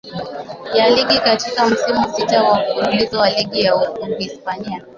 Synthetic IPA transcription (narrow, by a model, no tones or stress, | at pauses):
jaliɠikatikam̩simusitawakuɾulizɔwaliɠijaukuɡispania